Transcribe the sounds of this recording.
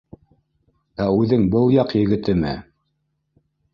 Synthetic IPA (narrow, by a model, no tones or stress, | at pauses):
æʉðɘŋbɤlˠjɑqjɘ̆ɡɘ̆t̪ɘmɘ̰